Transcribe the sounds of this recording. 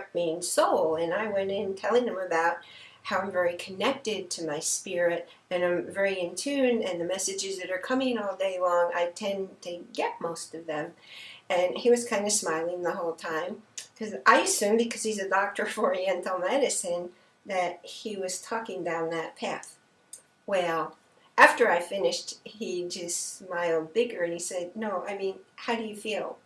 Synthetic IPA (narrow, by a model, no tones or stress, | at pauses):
t̚mĩnsoʊlˠɨ̃naɪwɛ̃nɪ̃ntʰɛlˠɪ̃ŋðɨ̃mɨbaʊt̚ | haʊãɪ̃ɱvɛɹikʰɨnɛk̚tɪd̚tʰɨmaɪspɪɹɪɾ | ɨ̃nãɪ̃ɱvɛɹiɨ̃ntʰʉ̃nɨ̃nðɨmɛsɨd͡ʒɨzðɨɾə˞kʰʌ̃mɪ̃ŋɔlˠdeɪlɔ̃ŋa̰ɪtʰɛ̃ntʰɨɡɛt̚moʊstʌvðɨ̃mɨ̃niwʌz̥kʰãɪ̃ndɨsmaɪlˠɪ̃ŋðəɦoʊlˠtʰãɪ̃mkʰʌzʔaɪɨsʉ̃mbɨkʰʌz̥izɨdɑk̚tə˞fəɹiɛ̃ntl̩ˠmɛɾɨsɨ̃n | ðɨt̚hiwʌz̥tʰɔkɪ̃ŋdãʊ̃nðɨt̚pʰæθ | wɛlˠ | æftə˞aɪfɪ̃nɪʃt̚hid͡ʒʌstsmaɪl̩ˠd̚bɪɡə˞ɨ̃nisɛd̚ⁿnoʊʔaɪmĩnhaʊɾɨjɨfilˠ